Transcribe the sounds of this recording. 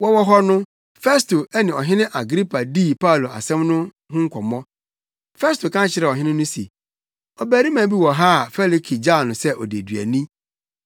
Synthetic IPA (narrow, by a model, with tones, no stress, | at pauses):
wɔ˦wɔ˦ɦɔ˦nʊ̃˦ | fɛ˦sto˨ɛ˦nɪ̃˨ɔ˨ɦɪ̃˦nɪ̃˦ʔa˨ɡɾi˦pʰa˨di˦˨pʰa˦˨lo˨a̰˨sɛ̃˦mnʊ̃˦ | hʊ̃˦ŋ̩˦kʰʷɔ˨mɔ̃˦ | fɛ˦sto˨kʰã˦t͡ɕʰɪ˨ɾɛ˨ɔ˨ɦɪ̃˦nɪ̃˦nʊ̃˦sḛ˨ | ɔ˨bæ˨ɾi˦mã˨bi˦wɔ˨ɦa˦˨fɛ˦li˨kʰi˨d͡ʑa˦˨nʊ̃˨sɛ˦ʔɔ˨de˨dɥæ̰˨nĩ˦